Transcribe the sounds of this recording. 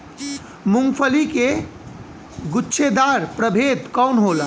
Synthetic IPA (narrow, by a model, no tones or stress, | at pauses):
muŋɡpʰəlike | ɡʊtːʃʰed̪aɾpɾəbʱeːt̪kɔwnɦol